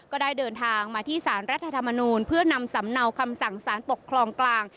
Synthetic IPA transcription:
kɔː˥˩daː˥˩jdɤː˧nt̪ʰaː˧ŋmaː˧t̪ʰiː˥˩saː˩˦nɾa˦˥t̪ʰːa˧t̪ʰa˧mːa˧nuː˧npʰɯ˥˩ɐna˧msa˩˦mna˧wkʰa˧msa˨˩ŋsaː˩˦npo˨˩kʰːlɔː˧ŋklaː˧ŋ

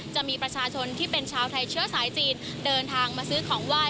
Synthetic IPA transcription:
t͡ɕa˨˩ʔmiː˧pɾa˧t͡ɕʰaː˧t͡ɕʰo˧nt̪ʰiː˥˩pe˧nt͡ɕʰaː˧wt̪ʰa˧jt͡ɕʰɯ˥˩ɐsaː˩˦jt͡ɕiː˧n | dɤː˧nt̪ʰaː˧ŋmaː˧sɯː˦˥kʰɔː˩˦ŋwaː˧˥˩

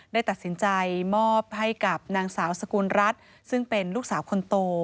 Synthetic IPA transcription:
daː˥˩jt̪a˨˩t̪̚si˩˦nt͡ɕa˧jmɔː˥˩p̚ha˥˩jka˨˩p̚naː˧ŋsaː˩˦wsa˧kuː˧nɾa˦˥t̪̚ | sɯ˥˩ŋpe˧nluː˥˩k̚saː˩˦wkʰo˧nt̪oː˧

